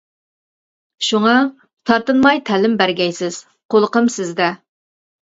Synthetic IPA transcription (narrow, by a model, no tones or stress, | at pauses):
ʃuŋɑ | t̪ʰɑɾt̪ɨnmɑjt̪ʰælɪmbæɾɡʲɛjsɪz̥ | qʰolˠəqəmsɪzd̪ɛ